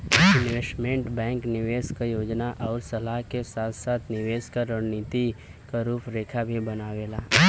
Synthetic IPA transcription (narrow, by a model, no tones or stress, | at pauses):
ɪnʋesʈmẽɳʈbɛ̃ːŋknɪʋeːskajoːd͡ʒnaʔɔːɾsɐlaɦkesaːt̪ʰsaːt̪ʰnɪʋeːskaɾəɽniːt̪i | kaɾuːpʰɾeːkʰabʱibɐnaːʋeːlaː